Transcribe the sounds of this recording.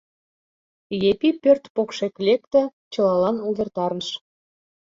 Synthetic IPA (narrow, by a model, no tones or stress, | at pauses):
jepipørt̪pokʃeklʲek̚t̪ə̆t͡ɕɤ̆lɑlɑnuβʲĕrt̪ɑrnəʃ